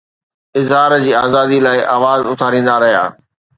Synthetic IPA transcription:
ɪzɦaːɾd͡ʑiːaːzaːd̪ilaːɪʔaːʋaːzʊt̪ʰaːɾĩːn̆d̪aɾɐɦija̰ː

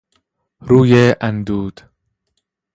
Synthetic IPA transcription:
ɾuːjeʔænd̪uːd̪̥

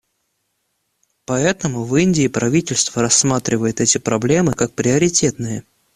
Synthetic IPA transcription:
pɐɛt̪əmʊvinʲdʲɪːpɾɐvʲitʲɪlʲst̪vəɾɐsːmat̪ɾʲɪvəjɪt̪ɛtʲɪpɾɐblʲe̞mɨkak̚pɾʲɪɐɾʲɪtʲe̞t̪nɨjə

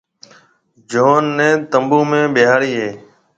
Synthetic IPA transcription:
d͡ʒoːnːẽːt̪əmbũːmẽːɓɪjɦaːɽiːɦeː

